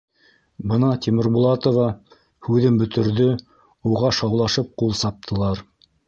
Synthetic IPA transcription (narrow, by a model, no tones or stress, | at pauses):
bɤnɑt̪ʲimɘ̆ɾbulˠɑt̪ovɑ | hʉðɘmbɵ̆t̪ɵ̆ɾðɵ | uʁɑʃɑwlˠɑʃɤp̚qulˠsɑp̚t̪ʰɤ̆lˠɑɾ